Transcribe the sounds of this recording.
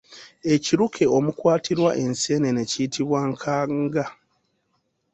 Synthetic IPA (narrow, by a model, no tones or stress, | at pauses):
e̞ciɾukʰe̞omukwaːtʰiɾwaʔe̞nse̞ːne̞neciːtʰiβwaŋkʰaŋɡa